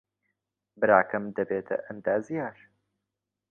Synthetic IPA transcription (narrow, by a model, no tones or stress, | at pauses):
bɨɾaːkɐmd̪ɐbeːt̪ʰɐ̰ʔɐnd̪aːzijaːɾ